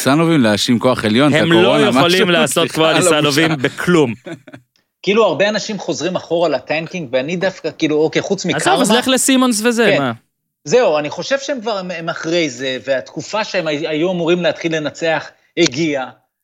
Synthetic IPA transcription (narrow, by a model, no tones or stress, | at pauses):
sanovimleaʃimkoaχe̞ljo̞nheamlojemaolimlaːsot̪̚kmoaniloalovimbekʰlum | kiiluaʁbe̞anaʃimχo̞zʁimaχo̞ʁalat̪aŋkiŋɡveanid̪afkakiːluokejχut͡smizkaaleχlesimons̬vezema | ze̞uaniχo̞ʃev̥ʃeemkvaʁememaχʁe̞jze̞veat̪kufaʃeemaajuamuʁimleat̪χilːe̞nat͡se̞aχ | heɡia